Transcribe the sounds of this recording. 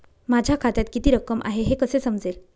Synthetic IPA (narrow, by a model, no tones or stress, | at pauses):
mad͡ʑʱjakʰat̪jat̪kit̪iːɾəkːəmʔa̰ɦeɦekəsesəmd͡zel